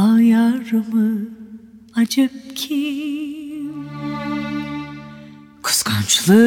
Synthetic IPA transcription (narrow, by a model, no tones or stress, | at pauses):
ajaɾɯmɯ | ad͡ʒep̚kʲʰi | kʰɯ̥skʰant͡ʃʰɯlˠɯ